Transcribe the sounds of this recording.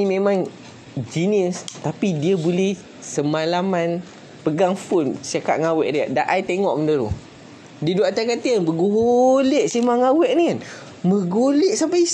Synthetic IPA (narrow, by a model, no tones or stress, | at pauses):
imẽmãŋ | d͡ʒiniəst̪apidiabolɛh | səmalaman | pəɡaŋfunsiaka̰ʔŋawɛʔdiaʔdaʔajt̪eŋɔʔməndəɾṵ | diduaʔt̪akat̪iənbəɡoɦoleʔsimaŋawɛʔnikan | məɡoleʔsampai